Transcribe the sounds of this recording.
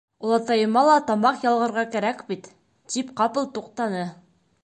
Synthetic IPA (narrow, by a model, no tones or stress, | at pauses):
ulˠɑt̪ɑjɤ̆mɑlˠɑt̪ɑmɑqjɑlˠʁɤ̆ɾʁɑkæɾækbit̪ː | ipqɑpɤlˠt̪uq̚t̪ɑnɤ